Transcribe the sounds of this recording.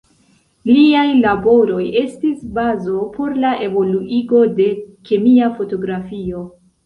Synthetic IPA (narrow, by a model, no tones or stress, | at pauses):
liajlabo̞ɾo̞je̞stisbazo̞pʰo̞ɾlaʔe̞vo̞luʔiɡo̞de̞ke̞miafo̞to̞ɡɾafio̞